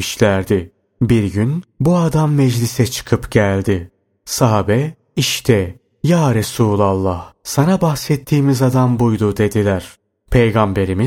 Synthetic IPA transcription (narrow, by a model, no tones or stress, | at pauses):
iʃlʲæɾd̪ɪ | biɾɟynbuad̪amːɛd͡ʒlʲisɛt͡ʃʰɯ̥kʰɯpɟælʲd̪ɪ | saɦabɛ | iʃt̪ʰɛ | jaːɾesuːlʲˠalˠːahsanabaxsɛt̪ʰːiːmizad̪ambujd̪ud̪e̞d̪ilʲæɾ̥ | pʰe̞jɡambe̞ɾimi